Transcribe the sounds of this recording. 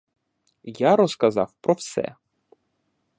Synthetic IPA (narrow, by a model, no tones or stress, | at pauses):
jaɾɔskɐzɑwpɾɔwsɛ̰